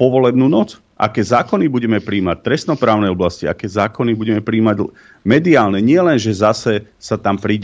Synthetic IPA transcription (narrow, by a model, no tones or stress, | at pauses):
pɔʋɔlɛbnuːnɔt͡s | ʔa̰kɛːzaːkɔnibuɟɛmɛpɾiːmac̚t̪ɾɛsnɔpɾaːʊnɛjɔblascia̰kɛːzaːkɔnibuɟɛmɛpɾiːmaɟ | mɛd̪iaːlnɛɲɪɛlɛnʒɛzasɛ | sat̪ampɾiːɟɛ